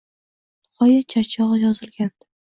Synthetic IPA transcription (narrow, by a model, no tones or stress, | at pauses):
χɒjat͡ʃʰat͡ʃʰɒʁjɒzɪlɡʲan